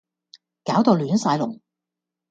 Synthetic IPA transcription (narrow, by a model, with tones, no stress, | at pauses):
kaː˨˥wt̪o˨˧wlyː˨˥nsaː˧jlʊ̰˨˩ŋ